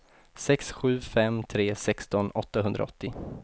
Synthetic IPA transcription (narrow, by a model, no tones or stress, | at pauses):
sɛksɧʉ̟ːfɛmt̪ʰɾeːsɛkst̪ɔnɔt̪ːahɵnd̪ɾa̰ɔt̪ːɪ